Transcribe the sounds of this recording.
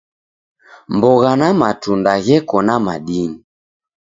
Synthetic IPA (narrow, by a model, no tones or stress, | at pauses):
mbɔɣanamatundaɣɛkɔnamaɗini